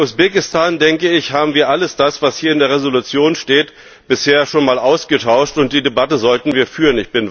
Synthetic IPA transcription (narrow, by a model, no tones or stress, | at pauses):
usb̥eːkɪstʰaːndɛŋkəɪçhaːbm̩viːɐʔaləsd̥asv̥ashiːɐɪndeːɐʁ̞ezolut͡sjoːnʃteːt | b̥ɪsheːɐʃoːnmaːlʔaʊsɡ̥ətʰaʊʃtʊnt̚d̥iːdebatəzɔltn̩viːɐfyːʁənɪçb̥ɪnv